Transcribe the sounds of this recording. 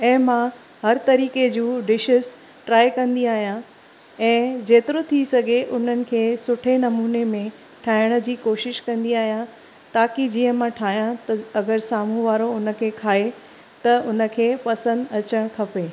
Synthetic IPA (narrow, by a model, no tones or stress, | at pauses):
ɛ̃ːmã | ɦɐɾt̪ɐɾiːked͡ʑuːɖɪʃʊz | ʈɾaːjkɐ̃nd̪iaːɦijã | ɛ̃ːd͡ʑeːt̪ɪɾot̪ʰisɐɡʱeʔʊn̤ənɪ̆kʰeːsʊʈʰenɐmuːnemẽ | ʈʰaːɪɽ̃əd͡ʑiːkoːʃɪʃkɐ̃nd̪iaːɦijã | t̪aːkid͡ʑiːɦə̃mãʈʰaːɦijãt̪ɐɐɡəɾsaːmũʋaːɾoʊnə̆kʰeːkʰaːɦe | t̪ɐʊnə̆kʰeːpɐsə̃nd̪ɐt͡ɕəɽ̃kʰɐpeː